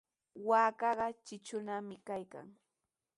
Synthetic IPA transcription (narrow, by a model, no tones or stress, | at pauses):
waːkɑɢɑt͡ʃɪt͡ʃʊnamɪkajka̰ŋ